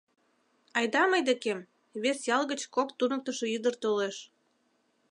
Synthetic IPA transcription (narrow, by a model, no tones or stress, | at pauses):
ɑjd̪ɑməjd̪ekem | βesjɑlɣət͡ɕkokt̪unək̚t̪əʃoyd̪ərt̪oleʃ